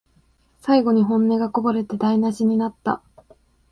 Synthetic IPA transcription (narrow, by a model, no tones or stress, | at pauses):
saiɡo̞ɲ̟iɦõ̞nːe̞ɡako̞baɾe̞t̪e̞d̪ainaɕiɲ̟inat̪ːa̰